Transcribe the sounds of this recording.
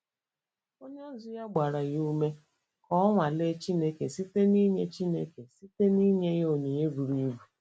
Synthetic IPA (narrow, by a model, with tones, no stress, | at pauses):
o˦ɲ˦zʊ˦ja˦ɡ͡ba˨ɾa˨ɣu˦me˦ | kɔ˦ɔ˦ŋʷa˨le˦t͡ʃi˦ne˦ke˨si˦te˦ni˦ɲe˦t͡ʃi˦nḛ˦ke˨si˦te˦ni˦ɲe˦ɣo˦˨ɲe˨ɲe˦bu˨ɾi˦bu˨